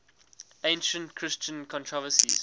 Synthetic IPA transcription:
ẽɪ̃nʃə̃ntkʰɹ̥ɪst͡ʃə̃nkʰɔ̃ntʰɹɔvəsḭz̥

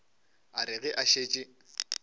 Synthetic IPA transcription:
aɾɪɣɛʔaʃeːt͡ʃʼɪ

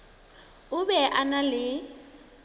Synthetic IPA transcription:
ʊbɛʔanalɪ

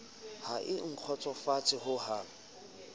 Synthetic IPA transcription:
haʔɪŋ̩q͡χʰɔt͡sʼɔfat͡sʼɪɦʊhaː

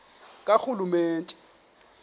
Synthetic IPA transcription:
kʼaxulumeːntʼɛ̥

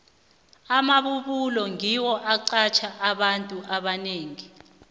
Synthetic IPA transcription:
amaɓuɓulɔŋiwɔʔaǀat͡ʃʰaʔaɓantʼuʔaɓaneːŋi

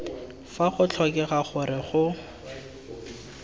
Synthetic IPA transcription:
faχʊt͡ɬʰɔkɛχaχʊɾɪχʊ

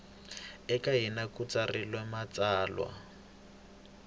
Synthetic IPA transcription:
ɛkaɦinakut͡sarilwɛmat͡saːlwa̰

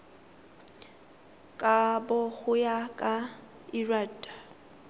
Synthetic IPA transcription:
kʼabʊɣʊjakʼa | iraːtʼḁ

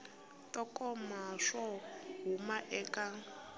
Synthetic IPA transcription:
tʼɔkʼɔmaʂɔɦumaʔɛkʼa

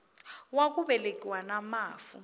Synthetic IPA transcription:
wak̬ʼuɓɛlekʼiwanamaːfṵ

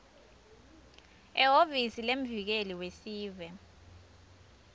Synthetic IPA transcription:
ɛɦovisilem̩vik̬eliwesiːvɛ

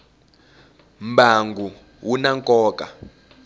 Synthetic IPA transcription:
mbaŋɡʱu | wunaŋkʼɔːkʼa

